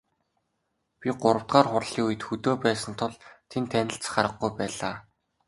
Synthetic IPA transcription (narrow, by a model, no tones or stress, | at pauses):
pʲiɢʊɾə̆w̥t̪ɢaːrχʊrɮiːŋujɘ̆t̪xɵt̪oːpæːsə̆nt̪ʰʊɮt̪ʰent̪ʰænʲɪ̆ɬt͡sχaɾə̆χɡujpæːɮaː